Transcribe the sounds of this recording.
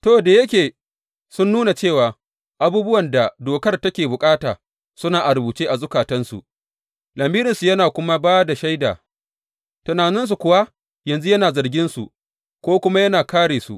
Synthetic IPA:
toː˦˨da˨jɐ˦kʲeː˨ | sʊ˦nːuː˦na˨t͡ʃeː˦˨waː˨ | ʔa˨buː˦bʊ˦wɐ˨nda˨doː˨kɐ˦rtɐ˦kʲeː˨bʊ˨kʼaː˦taː˨ | sʊ˦naː˨ʔa˨ɾʊ˨buː˨t͡ʃeː˦ʔa˨zʊ˦kaː˨tɐ˦nsṵ˨ | lɐ˨mbiː˦ɾɪ˨nsu˨jɐ˦naː˨kʷʊ˦ma˦baː˦da˨ʃa˦jda̰ː˨ | tɐ˨naː˨nɪ˦ns̬u˨kʷʊ˦wa˦ | jɐ˨nzu˦jɐ˦naː˨zɐ˨rɡʲɪ˦nsṵ˨ʔ | kʷoː˦kʷʊ˦ma˦jɐ˦naː˨kaː˦ɽeː˨sṵ˨ʔ

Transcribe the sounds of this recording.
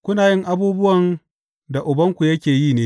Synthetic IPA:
kʷʊ˦naː˨jɪ˦ŋʔa˦buː˦bʊ˦wɐ˨n | da˨ʔʊ˨bɐ˦ŋkʷu˨jɐ˦kʲeː˨jiː˦˨neː˦

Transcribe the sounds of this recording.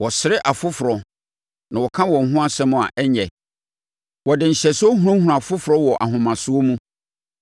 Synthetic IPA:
wɔ˨sɪ˨ɾɪ˦ʔa˨fʊ˦fʊ˨ɾɔ˨ | nã˨wɔ˨kʰã˦wɔ̃˨ŋ̩˨ɦʊ̃˦a˦sɛ̃˦mʊ̃˨a̰˨ʔɛ˦ɲɛ˨ | wɔ˨dɪ˨ɲ̩˨ɕɛ˨sʊ˦ɔ˦ɦũ˦ɾã˦hũ˨˦˨a˨fʊ˦fʊ˨ɾɔ˦wɔ˨ʔa˨ɦʊ̃˨mã˨sʊ˦o˦mũ˦

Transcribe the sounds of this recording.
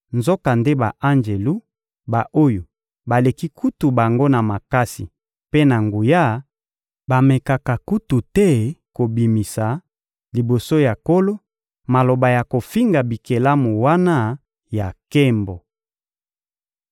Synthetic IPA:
nzo˦ka˨nde˦ba˨ʔa˦nd͡ʒe˨lu˦ | ba˨ʔo˦jo˨ | ba˨le˨ki˦kʰu˦tu˨ba˨ŋɡo˦na˨ma˨ka˦sḭ˨ | pe˦na˨ŋɡu˨ja˦ | ba˨me˨ka˨ka˨ku˦tu˨tɛ˦ko˨bi˨mi˨sa˨ | li˨bo˨so˦ja˨ko˦lo˦ | ma˨lo˨ba˨ja˨ko˨fi˦ŋɡa˨bi˨ke˨la˦mu˨wa˦na˦ | ja˨kɛ˦mbo˨

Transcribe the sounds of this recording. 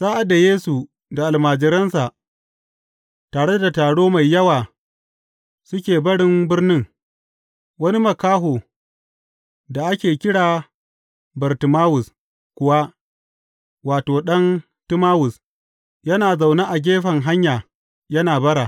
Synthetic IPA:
saː˦ʔa˨da˨jeː˦su˨ | da˨ʔa˨lmaː˨d͡ʒɪ˨ɾɐ˦nsa˨ʔ | taː˨ɽe˦da˨taː˨ɽoː˦ma˨jːɐ˦waː˨ | sʊ˦kʲeː˨bɐ˦ɽɪ˦mbɪ˦rnɪ˦ŋ | wɐ˦ni˦mɐ˨kaː˦ɦoː˨ | da˨ʔa˦kʲeː˨kʲɪ˦ɽaː˨ | bɐ˨rtɪ˨maː˦wʊ˨s | kʷʊ˨wa˦ | waː˨toː˨ɗɐ˦n | tɪ˦maː˦wʊ˨s | jɐ˦naː˨za˨wna˦ʔa˨ɡʲeː˦ɸɐ˨ŋɦa˦ɲjaː˨ | jɐ˦naː˨bɐ˦ɽaː˨

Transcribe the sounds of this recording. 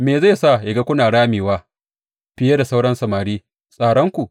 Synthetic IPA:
meː˨za˦˨sa˦˨jɪ˨ɡa˦kʷʊ˦naː˨ɽaː˦miː˨waː˦ | ɸɪ˦je˦da˨sa˦wɽɐ˦nsɐ˨maː˨ɽiː˦ | sʼaː˨ɽɔ˦ŋkʷu˨

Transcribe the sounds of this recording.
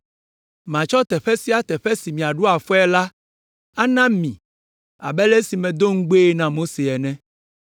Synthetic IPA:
mã˨t͡ʃɔ˦t̪ɛ˨ɸɛ˦si˦a˦t̪ɛ˨ɸɛ˦si˨mĩ˨a˨ɖu˦a˨fɔ˦ɛ˦la˦ | a˦nã˦mĩ˨ | a̰˨bɛ˦le˦si˨mɛ̃˨d̪o˦ŋ̩˦ɡ͡be˦nã˨mo˦se˨ɛ˨nɛ̃˦

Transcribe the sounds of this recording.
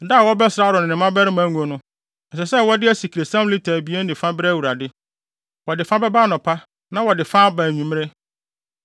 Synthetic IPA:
da˦˨wɔ˦bɛ˦sɾa˦˨ɾɔ˨nɪ̃˨ɪ̃˨mã˦bæ˦ɾɪ˦mæ̃˦ŋũ˨o˨nʊ̃˦ | n̩˨sɛ˨sɛ˦wɔ˦dɪ˦æ˦si˨kʰɾe˨sã˦m˦li˦tʰæː˨bi˨˦e˦nɪ̃˨fã˦bɪ˦ɾɛ˦wu˨ɾa˨dɪ˦ | wɔ˨dɪ˨fã˦bɛ˦baː˦nʊ̃˨pʰa˦ | nã˦wɔ˨dɪ˨fãː˦bãː˨ɲũ˨m˦ɾe˦

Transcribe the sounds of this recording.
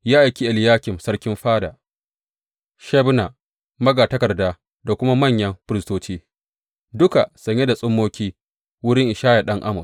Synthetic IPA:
jaː˦ʔa˨jkʲi˦ʔa˨ljaː˦kʲɪ˨msɐ˦ɽkʲɪ˦mɸaː˦daː˨ | ʃɛ˦bna˨ | mɐ˦ɡaː˨tɐ˦kɐ˨rdaː˦ | da˨kʷʊ˦ma˦mɐ˦˨ɲjɐ˦mɸɪ˦ɾɪ˦stoː˦t͡ʃiː˦ | dʊ˦ka˨sɐ˨ɲje˦da˨sʼʊ˦mːoː˦kʲiː˦ | wʊ˦ɽɪ˦ŋʔɪ˨ʃaː˦ja˨ɗɐ˦ŋʔa˦mʊ˨s

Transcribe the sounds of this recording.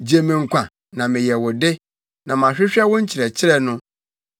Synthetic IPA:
d͡ʑe˨mɪ̃˨ŋ̩˨kʷʰã˨ | nã˨mɪ̃˨jɛ˨wɔ˨dɪ˦ | nã˨m˨ã˨ɕᶣɪ˦ɕᶣɛ˦wʊ̃˦ɲ̩˦t͡ɕʰɾɛ˨t͡ɕʰɪ˦ɾɛ˨nʊ̃˦

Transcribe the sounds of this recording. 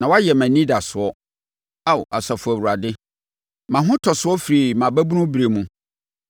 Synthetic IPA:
nã˨wa˦jɛ˨mæ̃˨nĩ˦da˨sʊ˨ɔ˦ | a˦˨wʔa̰˨sa˨fʊ˨æ˨wu˨ɾa˨dɪ˦ | mã˨ɦʊ̃˦tʰɔ˨sʊ˦ɔ˦fɾi˨mã˨bæ˦bu˦nʊ̃˦bi˨ɾe˨mũ˦

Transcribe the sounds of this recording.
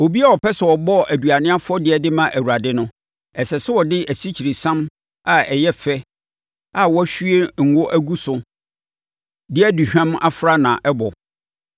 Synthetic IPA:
o˨bi˦a˦ɔ˨pʰɛ˦sɛ˨ɔ˨bɔ˦ʔæ˨du˨a˨nɪ̃˦a˦fʊ˦ɔ˦dɪ˨˦ɛ˨dɪ˦mã˨ʔæ˨wu˨ɾa˨dɪ˦nʊ̃˦ | ɛ˨sɛ˨sɪ˦wɔ˨dɪ˦ʔæ˨si˦t͡ɕʰi˨ɾi˨sã˦m | a˨ɛ˨jɛ˦fɛ˦ | a˨wɔ˦æ˦ɕᶣɥe˦ŋ̩˨wo˦ʔæ˦ɡu˦sʊ˨ | dɪ˦ɛ˦du˨ɕᶣã˦ma˦fɾa˦nã˨ʔɛ˦bɔ˨

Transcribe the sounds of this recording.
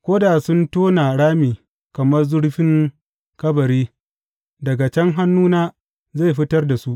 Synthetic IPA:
kʷoː˦da˨sʊ˦ntoː˦na˨ɽaː˦miː˨ | kɐ˨mɐ˦rzʊ˦ɽɸɪ˦ŋ | kɐ˦bɐ˨ɾiː˦ | dɐ˨ɡa˨t͡ʃɛ˦ŋɦa˦nːuː˦naː˦ | ze˦˨jɸɪ˦tɐ˦rda˨su˦ʔ

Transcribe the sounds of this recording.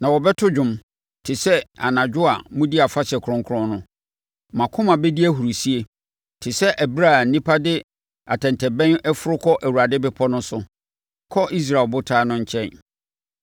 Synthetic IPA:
nã˨wɔ˨bɛ˦tʰʊ˦d͡ʑʊ̃˨m | tʰɪ˨sɛ˦a̰˨nã˨d͡ʑᶣʊ˦a˨mũ˦di˦a˨fa˦ɕɛ˨kʰɾʊ̃˦ŋkʰɾʊ̃˦nnʊ̃˦ | mã˨kʰʊ̃˦mã˨bɛ˦di˦æ˦ɦu˨ɾu˨si˦e˦ | tʰɪ˨sɛ˦ʔæ˨bi˦ɾa˦˨n̩˦nĩ˦pʰa˦dɪ˦ | a˨tʰɛ̃˨ntʰɛ˨bɛ̃˦nɛ˦fʊ˦ɾʊ˦kʰɔ˦ʔæ˨wu˨a˨dɪ˦bɪ˦pʰɔ˦nʊ̃˦sʊ˨ | kʰɔ˦ʔi˦s̬ɾa˨e˨lbʊ˦tʰaː˦nʊ̃˦ɲ̩˦t͡ɕʰɛ̃˦n

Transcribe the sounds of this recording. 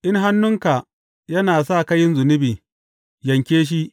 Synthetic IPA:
ʔɪ˦ŋɦa˦nːʊ˦ŋka˨ | jɐ˦naː˨sa˦˨kɐ˦jɪ˦nzʊ˨nɪ˦biː˨ | jɐ˨ŋkʲeː˦ʃ̬i˦ʔ

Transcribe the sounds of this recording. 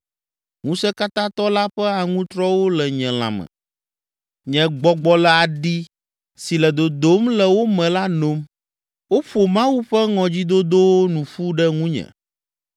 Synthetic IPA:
ŋũ˦sɛ˦ka˦t̪ã˦t̪ɔ˦la˦ɸɛ˦a˨ŋũ˦t̪ɾɔ˦wo˦lɛ˨ɲɛ̃˨l̃ã̰˨mɛ̰̃˨ | ɲɛ̃˨ɡ͡bɔ˨ɡ͡bɔ˨lɛ˨a˨ɖi˦ | si˨lɛ˨d̪o˨d̪o˦mlɛ˨wo˦mɛ̃˨la˦no˦m | wo˦ɸo˨mã˦wu˦ɸɛ˦ŋɔ̃˨d͡ʑi˦d̪o˦d̪o˦wo˦nũ˨ɸu˦ɖɛ˦ŋũ˦ɲɛ̰̃˨

